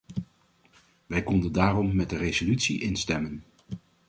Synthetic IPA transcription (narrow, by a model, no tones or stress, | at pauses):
ʋɛjkɔndəndaːrɔmːɛt̚dərezolytsḭʔɪnstɛmən